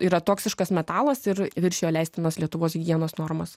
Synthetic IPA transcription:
iːɾɐt̪oːksʲɪʃkɐsmʲɛt̪ɑːlˠɐsɪɾʋʲɪɾʲʃʲjoːlʲɛɪsʲt̪ʲɪnɐslʲiɛt̪ʊʋoːsɡʲiɛnoːsnoːrmɐs

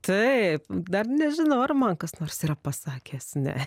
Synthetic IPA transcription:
t̪ɐɪpd̪ɐrnʲɛʒʲɪnɐʊɐrmɐnkɐsnoːrsiːɾɐpɐsɑːkʲeːsnʲɛ̰

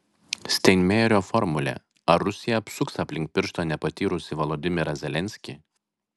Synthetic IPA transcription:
sʲt̪ʲɛɪnʲmʲɛːɾʲoːfɔɾmʊlʲɛ̰ | ɐɾːʊsʲɪjɛɐpʲsʊksaːpʲlʲɪŋk̚pʲɪɾʃt̪oːnʲɛpɐt̪ʲiːɾʊsʲɪʋɔlˠoːd̪ʲɪmʲɪɾɐzʲɛlʲɛnʲsʲkʲi

